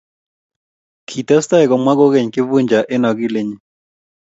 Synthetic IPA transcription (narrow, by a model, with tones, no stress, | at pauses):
kʰi˨tɛ˦sta˦ɪ˨kɔ˨mwa˦ɡo˦ke˨ɲkɪ˦vu˦ɲd͡ʒa˨ʔɪ˦nɔ˨ɡɪ˦le˦ɲ˦